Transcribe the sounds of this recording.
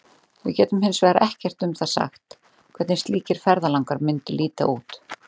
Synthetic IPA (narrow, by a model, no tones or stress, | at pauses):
vɪ̰cɛːt̪ʏmhɪnsvɛːɾaʔɛhcɛr̥t̪ʏmθaðsa̰xt̪ | kʰv̥ɛt̪nɪst̪liːcɪɾ̥fɛɾðalawŋkaɾmʏnt̪ʏlʔiːt̪a̰ʔuːt̪